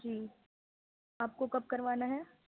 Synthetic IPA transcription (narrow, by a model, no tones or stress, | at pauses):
d͡ʒiː | aːp̚kokɐp̚kɐɾʋaːnaɦɛː